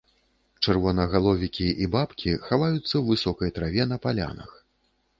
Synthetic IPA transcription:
t͡ʂɛrvɔnɐɣalˠɔvʲikʲiʔibapkʲixavajut̪sːɐwvɨsɔkɐjt̪ɾavʲɛnɐpalʲa̰nɐ̰x

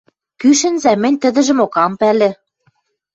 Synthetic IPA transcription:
kyʃɘ̆nzæmɘ̆nʲt̪ə̆d̪ə̆ʒə̆mokɑmpælĕ

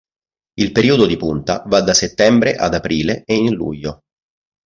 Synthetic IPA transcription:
ilpeɾiːod̪od̪ipunt̪a̰vad̪aset̪ːɛmbɾeʔa̰d̪apɾiːleeinlṵʎːo

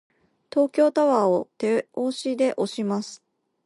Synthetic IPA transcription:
t̪o̞ːkʲo̞ːt̪aβaːot̪e̞oːɕid̪e̞ʔo̞ɕimasɨ̥

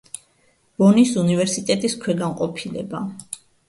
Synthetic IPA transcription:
bɔnisunivɛɾsit̪ʼɛt̪ʼiskʰwɛɡaŋqʼɔpʰilɛ̰ba

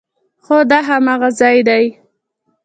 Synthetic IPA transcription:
xod̪aɦamaɣazɑjd̪aj

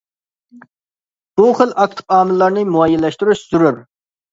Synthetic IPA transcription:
b̥uχəlˠʔɑk̚t̪ʰɨ̥pɑːmɪlːɑɾnɨɪmuɑjːɛlːɛʃt̪uɾyʃsyɾyɾ

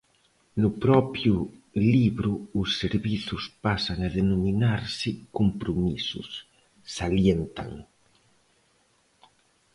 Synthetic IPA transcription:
nʊpɾɔpjʊliβɾʊːsːeɾβiθʊspasaŋaðenominaɾsɪkompɾomisʊ̰sː | aljent̪a̰ŋ

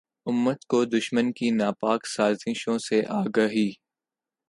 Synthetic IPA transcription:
ʊmːət̪kod̪ʊʃmənkinaːpaːksaːzɪʃõseʔaːɡɐɦiː

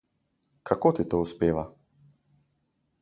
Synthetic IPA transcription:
kʰakoːt̪it̪oːuspeːʋa

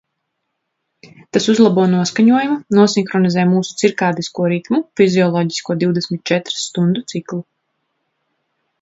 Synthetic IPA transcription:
t̪asuzlˠabuɔnuɔskaɲuɔjumanuɔsiŋxɾɔnizɛːjmuːsu̥t̪siɾkaːd̪iskuɔɾik̪mufiziɔlˠɔːɟiskuɔd̪iwd̪esmit̪̚t͡ʃɛt̪ɾst̪und̪ut̪siklˠu

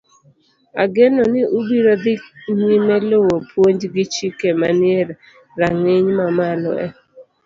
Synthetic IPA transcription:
a̰ɡenɔnɪʔʊbiɾod̪ɪnimɛlowopwoɲd͡ʒɡɪt͡ʃikemanɪeɾ | raŋɪɲmamalɔ̰ɛ̰

